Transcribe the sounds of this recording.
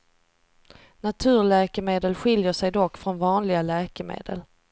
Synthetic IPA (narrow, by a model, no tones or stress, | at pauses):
nat̪ʰʉ̟ːɭɛːkəmeːd̪əlɧɪljəʂɛjd̪ɔkːfɾɔnvɑːnlɪɡalɛːkəmḛːd̪ə̰l